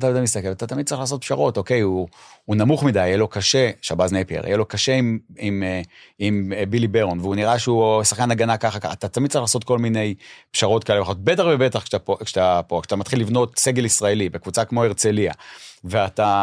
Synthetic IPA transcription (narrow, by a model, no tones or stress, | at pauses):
t̪amid̪ajmist̪akevat̪at̪amid̚t͡saʁiχlaːs̬o̞t̪̚pʃaʁo̞to̞ke̞juːnamuχmid̪ajjelo̞kaʃeʃabaznejpiḛʁa̰jelo̞kaʃe̞imimimbilibeʁonveuniʁaʃeusaχkanaɡanakaχakaat̪at̪amid̚t͡saʁiχlaːso̞t̪̚ko̞lmine̞jpʃaʁo̞tkaeleχot̪̚bet̪aχvebet̪aχaokt̪apokat̪amat̪χilːivno̞t̪se̞ɡe̞lisʁaelibekvut͡sakmo̞eʁt͡selia̰veat̪a